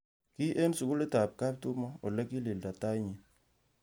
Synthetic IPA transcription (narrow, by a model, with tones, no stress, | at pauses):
ki˦ʔe˦nsʊ˨kʊ˦le˦ta˨p̚ka˦p̚tʊ˦mɔ˦o˨lɛ˦ki˦li˨lda˨ta˦i˦ɲi˨